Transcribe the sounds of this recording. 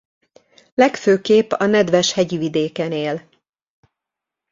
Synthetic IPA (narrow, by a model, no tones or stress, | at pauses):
lɛkføːkeːpɒnɛd̪vɛʃhɛɟivid̪eːkɛneːl